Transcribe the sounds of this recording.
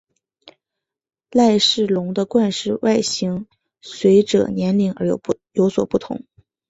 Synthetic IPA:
la˥˧ɪʂɻ̩˥˩lʊ˧˥ŋd̪ə˧kwa˥˧nʂɻ̩˥˧wa˥˩ɪɕi˧˥ŋ | swe˧˥ɪʈ͡ʂɤ̰˨˩njɛ˧˥nli˧˥ŋə̰˞˧˥jo̰˨˩ʊ | jo˧˥ʊswɔ̰˨˩pu˥˩t̪ʰʊ̰˧˥ŋ

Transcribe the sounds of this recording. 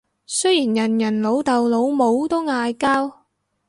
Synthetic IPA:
sɵ˥jiː˨˩njɐ˨˩njɐ˨˩nlo˨˥wt̪ɐ˨wlo˨˧˥wmo˨˥wt̪o˥wŋaː˧jkaː˥w

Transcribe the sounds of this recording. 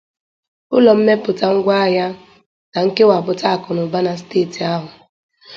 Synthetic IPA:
ʊ˦lɔ˨m̩˦me˦pʊ˨ta˦ŋ̩˦ɡʷa˦a˦ja˦ | na˨ŋ̩˦ke˦wa˨bʊ˨ta˦a˦˨kʊ˨nʊ˨ba˦na˨s̬teː˦˨ti˨a˦ɦʊ˨

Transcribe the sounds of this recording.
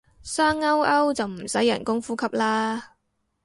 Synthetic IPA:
saː˥ŋɐ˥wɐ˥wt͡sɐ˨wm̩˨˩sɐ˨˥jːɐ̰˨˩nkʊ˥ŋfuː˨˥kʰɐ˨˥p̚laː˥

